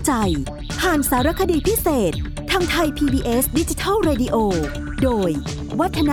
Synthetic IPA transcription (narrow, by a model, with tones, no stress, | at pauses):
t͡ɕa˧j | pʰaː˨˩nsaː˩˦ɾa˧˥kʰa˧diː˧˩pʰi˦˥seː˨˩t̪̚ʰːaː˧ŋt̪ʰa˧jpʰiː˧biː˧ʔe˦˥sdi˦˥t͡ɕi˧t̪ʰa˥˩lɾeː˧di˧ʔoː˧ | doː˧j | wa˦˥t̪ʰːa˧na˦